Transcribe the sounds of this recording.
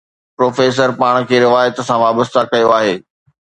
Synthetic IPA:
pɾoːfeːs̬əɾpaːɽ̃kʰeːɾɪʋaːjət̪sãʋaːbəst̪akɐjoaːɦeː

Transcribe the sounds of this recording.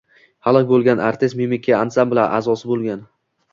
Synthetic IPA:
halˠɒkʲbolˠɡʲanʔaɾt̪ʰɪsmimɪkʲʰːaansambɪlanʔa̰ːzɒsɪbolˠɡʲan

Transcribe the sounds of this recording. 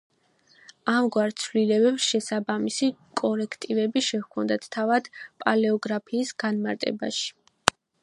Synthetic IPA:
amɡwaɾt̪sʰvlilɛbɛpsʃɛsabamisikʼɔlɛkʰt̪ʼivɛbiʃɛvkʰɔnd̪at̪ʰːavad̪̥pʼalɛɔɡɾapʰiːsɡ̥anmaɾt̪ʼɛ̰ba̰ʃi̥

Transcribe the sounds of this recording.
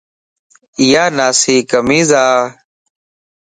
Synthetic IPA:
ɪjaːnaːsiːkəmiːzaː

